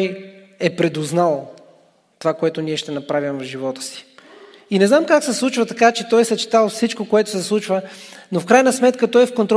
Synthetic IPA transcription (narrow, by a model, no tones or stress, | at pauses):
j | ɛpɾɛd̪ʊznalˠ | t̪ovakoɛt̪ʊniɛʃt̪ɛnɐpɾavʲimvvʒivɔt̪ə̥si̥ | inɛznamkaksɛslˠut͡ʃvət̪ɐkat͡ʃɛt̪ɔjsɐt͡ʃi̥t̪alˠfsit͡ʃkokoɛt̪ʊ̥sɛslˠut͡ʃvənofkɾajnəsmɛt̪kət̪ɔjfkont̪ɾ